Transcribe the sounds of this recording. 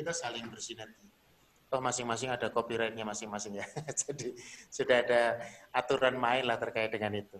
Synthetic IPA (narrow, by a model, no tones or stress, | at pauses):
kit̪asalɪŋbərsinət̪i | t̪ɔhmasɪŋmas̬ɪŋadakopiɾajt̪̚ɲamasɪŋmasɪŋjad͡ʒ̥adisudaɦadaat̪uɾanmaɪnlaht̪ərkaɪt̪̚dəŋanit̪u